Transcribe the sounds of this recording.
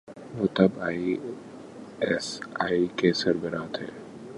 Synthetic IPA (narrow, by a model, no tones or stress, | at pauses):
ʋoːt̪ɐbaːi | ɛsaːikesɐɾbəɾaːt̪ɦɛ̰ː